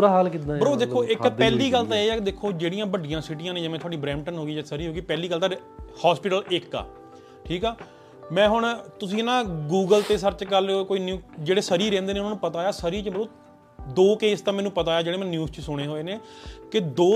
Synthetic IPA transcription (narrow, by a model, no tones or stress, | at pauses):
ɾaɦaːlkit̪ãːbəɾoːd̪eːkʰːoːʔɪkpɛːliːɡəlt̪ãːeːɛːkd̪eːkʰːoːd͡ʒeːɽijãːbəɖɪjãːsɪʈɪjãːnẽːd͡ʒaːmɛ̃ːt̪ʰoaːɖiːbɾɛ̃ːmʈənɦoːɡiːd͡ʒaːsəɾiːɦoːɡiːpɛːliːɡəlt̪ãːhaːspɪʈəlɪkːa̰ː | ʈʰiːkaː | mɛ̃ːɦʊɳt̪ʊsĩːnãːɡuːɡəlt̪eːsəɾt͡ʃkəlkoːiːnjuːd͡ʒeːɽeːsəɾiːɾɛ̃ːnd̪eːneʊnãːnũːpət̪aːjaːsəɾiːt͡ʃəbəɾoː | d̪oːkeːst̪ãːmɛːnũːpət̪aːjaːd͡ʒeːɽeːmɛ̃ːnjuːst͡ʃəsʊɽ̃eːɦoːeːneːkɪd̪oː